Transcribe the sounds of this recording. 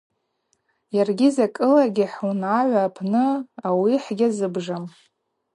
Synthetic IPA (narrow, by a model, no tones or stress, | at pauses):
jarɡʲizakʼɨlaɡʲiħunʕaʕʷaːpʰnɨawiħɡʲazɨbʐam